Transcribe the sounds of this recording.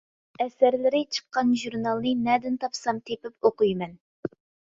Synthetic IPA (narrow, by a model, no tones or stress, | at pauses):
ɛsæɾlɪɾɪt͡ʃʰə̥qːɑnʒuɾnɑlˠnɨnɛd̪ɪnt̪ʰɑpsɑmt̪ʰepɪp̚oqujmɛn